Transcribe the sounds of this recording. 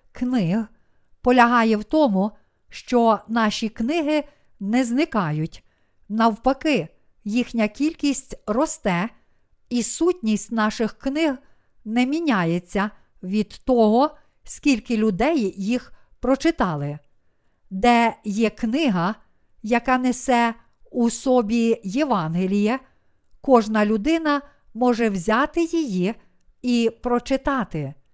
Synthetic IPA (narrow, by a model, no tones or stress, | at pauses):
knɪɦ | pɔlʲɐɦɑjɛwt̪ɔmʊ | ʃt͡ʃɔnɑʃʲiknɪɦɪ | nɛznɪkɑjʊtʲ | nɐwpɐkɪ | jixnʲɐkʲilʲkʲisʲtʲrɔst̪ɛ | isutʲnʲisʲtʲnɑʃɪxknɪɦ | nɛmʲinʲajet͡sʲːɐ | ʋʲid̪̥t̪ɔɦɔ | sʲkʲilʲkɪlʲʊd̪ɛjːix | pɾɔt͡ʃɪt̪ɑlˠɪ | d̪ɛjɛknɪɦɐ | jɐkɑnesɛ | usɔbʲijeʋɑnɦelʲijɛ | kɔʒnɐlʲʊd̪ɪnɐ | mɔʒɛwzʲɑt̪ɪjiji | ipɾɔt͡ʃɪt̪ɑt̪ɪ